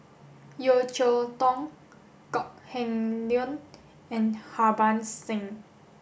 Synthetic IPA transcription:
jot͡ʃot̪ɔŋ | kɔk̚hɛ̃ŋljɔn | ɛ̃nhabansɪ̃ŋ

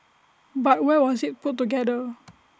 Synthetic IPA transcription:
bat̚wɛwɔsit̚put̚ːuɡɛdə

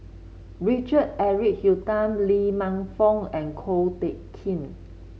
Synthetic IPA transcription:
ɹit͡ʃəd̚ɛɹik̚hjutãmlimãŋfɔ̃ŋɛ̃nkʰolteʔkʰĩn

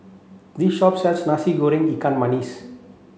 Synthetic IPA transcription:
d̪iʃɔpsɛlsnasiɡoːɾĩŋikãnmanis

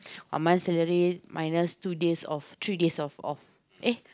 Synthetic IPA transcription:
wã̰nmãnsɛləɹet̚mʔajnəstudesɔft̪ɹidesɔfɔ̰f | ʔe

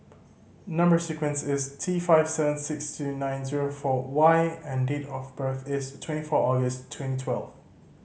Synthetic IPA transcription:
nʌ̃mbə˞sikwə̃nsɪstʰifaɪv̥sɛvə̃nsɪkstʰunãɪ̃nziɹofɔwaɪɛ̃ndetɔfbɜθɪstʰw̥ɛ̃ntifɔʔɔɡəstʰwɛ̃ntitʰwɛlˠv

